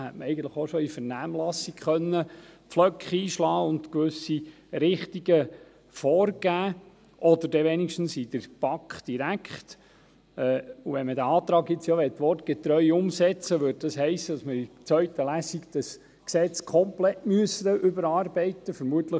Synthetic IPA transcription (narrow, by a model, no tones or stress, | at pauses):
hɛtməɛɪɡən̩tləχoʃɔifəɾnæːmlɑsikχœnːəpflœkχiːʃlɑːʊndkʋʏsi | ɾɪχt̪iɡə | fɔːrɡ̥æː | ʔɔdəɾdɛʋɛnikʃtn̩sid̥əɾb̥ɑkχd̥iɾækχt | ɛːuʋɛnmədæɑːt̪ɾɑːɡjɪt͡sjɔʋɛtːʋɔt̚ɡ̥ɛt̪ɾœʏʊmsɛt͡səʋʏːd̚dɑsɦɛɪsəd̥ɑsməit͡sʋœɥtəlæːsikd̥̪ɑs | ksɛt͡skʰχɔmplɛtmyəsəʔʏbəɾɑːrbɛɪt̪əfəɾmuət̪lə